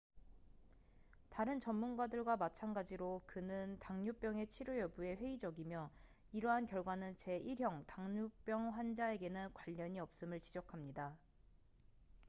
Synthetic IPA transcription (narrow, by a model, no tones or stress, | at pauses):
taɾɯnt͡ɕʌmːunɡadɯɭɡwamat͡ɕʰanɡad͡ʑiɾokɯnɯntaŋɲup͈jʌŋe̞t͡ɕʰiɾujʌbue̞ɸwe̞id͡ʑʌɡimjʌ | iɾʌɦankjʌɭɡwanɯnt͡ɕe̞ʔiɭɦjʌŋtaŋɲup͈jʌŋɸwand͡ʑae̞ɡe̞nɯnkwaʎːʌɲiʌp̚s͈ɯmɯɭt͡ɕid͡ʑʌkʰamɲida